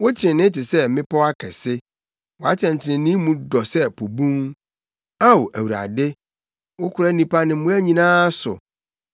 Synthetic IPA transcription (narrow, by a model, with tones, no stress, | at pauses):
wo˦tʰɪ˨ɾɪ̃˨nɪ̃˦tɪ˨sɛ˦mɪ̃˦pʰɔ˦wa˦kʰɛ˨sɪ˦ | wɔ˨a˦tʰɛ̃˨n̩˨tʰɪ˨nɪ̃˨nĩ˦mũ˦dɔ˨sɛ˦pʰo˨bũ˦ŋ | a˦wo˨ʔæ˨wu˨ɾa̰˨dɪ˦ | wʊ˦kʰʊ˦ɾa˦nĩ˦pʰa˦nɪ̃˨˦mũ˦æ˦ɲĩ˨nãː˦sʊ̰˨